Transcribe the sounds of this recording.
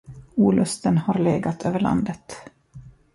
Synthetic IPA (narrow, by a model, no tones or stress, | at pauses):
uːlɵst̪ənhaɾleːɡat̪ʰøːvəɭa̰nd̪ət̪